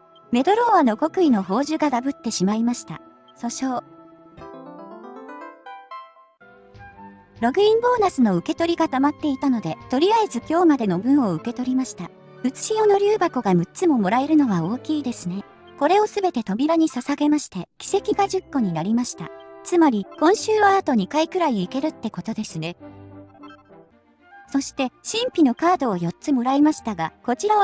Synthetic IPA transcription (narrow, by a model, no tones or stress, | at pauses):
me̞d̪o̞ɾo̞ːβano̞ɡo̞kɯ̟ino̞ɦo̞ːʑɨɡad̪abɯ̟t̪ːe̞ɕimaimaɕi̥t̪a | so̞ɕo̞ː | ɾo̞ɡɯ̟ĩmbo̞ːnasɨno̞ɯ̟ke̞t̪o̞ɾʲiɡat̪amat̪ːe̞it̪ano̞d̪e̞t̪o̞ɾʲiaezɨkʲo̞ːmad̪e̞no̞bɯ̟̃ɰ̃o̞ɯ̟ke̞t̪o̞ɾʲimaɕi̥t̪a | ɯ̟t͡sɨ̥ɕijo̞no̞ɾʲɨːbako̞ɡamɯ̟tt͡sɨmo̞mo̞ɾae̞ɾɯ̟no̞βao̞ːkʲiːd̪e̞sɨne̞ | ko̞ɾe̞o̞sɨbe̞t̪e̞t̪o̞mʲiɾaɲ̟isasaɡe̞maɕi̥t̪e̞kʲi̥se̞kʲiɡaʑɨkːo̞ɲ̟inaɾʲimaɕi̥t̪a̰t͡sɨmaɾʲikõ̞ɰ̃ɕɨːβaːt̪o̞ɲ̟ikaikɯ̟ɾaiːke̞ɾɯ̟t̪ːe̞ko̞t̪o̞d̪e̞sɨne | so̞ɕi̥t̪e̞ɕĩmpʲino̞kaːd̪o̞ːjo̞t̪t͡sɨmo̞ɾaemaɕi̥t̪aɡako̞t͡ɕiɾa